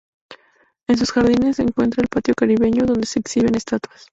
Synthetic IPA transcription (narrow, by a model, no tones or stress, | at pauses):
e̞ns̬usxaɾðine̞sːeːŋkwe̞nt̪ɾaelpat̪jo̞kaɾiβe̞ɲo̞ðond̪eseaksiβe̞ne̞st̪at̪was